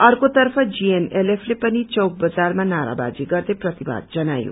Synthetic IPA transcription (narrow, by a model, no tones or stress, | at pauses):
ʌrkot̪ʌrpʰʌd͡ʒienelepʰlepʌnit͡sʌwk̚bʌd͡zarmanaɾa̰ba̰d͡ziɡʌrd̪eprʌt̪iba̰d̪̚d͡zʌnajo̰